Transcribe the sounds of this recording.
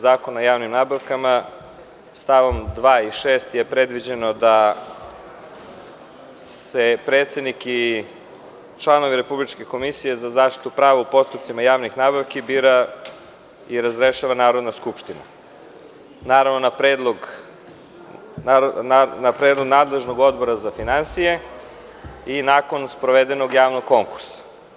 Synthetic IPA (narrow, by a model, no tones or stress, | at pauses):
zaːko̞najaːʋnimnaːbaʋkama | st̪aʋo̞md̪ʋaːiʃeːst̪jepɾe̞d̪ʋid͡ʑe̞no̞d̪a | se̞pɾeːt̪se̞d̪niki | t͡ʃlˠano̞ʋiɾe̞publit͡ʃke̞ko̞misije̞zazaːʃt̪i̥t̪upɾaːʋaupo̞st̪upt̪simajaːʋnixnaːbaʋkibiːɾa | iɾazɾeʃaːʋanaːɾo̞d̪naskupʃt̪ina̰ | naːɾaʋnonapɾeːd̪lˠoɡ | napɾeːd̪lˠoɡnaːd̪le̞ʒno̞ɡo̞d̪bo̞ɾazafinansije̞ | inaːko̞nspɾoʋed̪eno̞ɡjaːʋno̞ɡ̚kːo̞ŋku̥ɾsḁ